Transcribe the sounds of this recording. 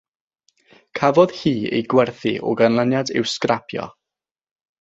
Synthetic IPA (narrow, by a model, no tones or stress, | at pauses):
kʰavɔð̥hiːḛjɡwɛrθḭʔɔ̰ɡanlˠanjadɪ̰wskrapʰjɔ̰